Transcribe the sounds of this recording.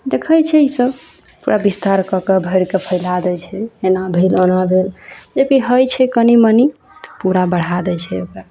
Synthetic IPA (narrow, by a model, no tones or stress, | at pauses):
d̪ekʰəjt͡ʃʰɛisəb | puɾʔabist̪aɾkəkebʱəjɾkepʰəjlad̪ɛt͡ʃʰɛenabʱelonabʱeld͡ʒebkiɦəjt͡ʃʰɛkəniməni | t̪ə̥puɾabəɽ̤ad̪ɛt͡ʃʰɛokɾa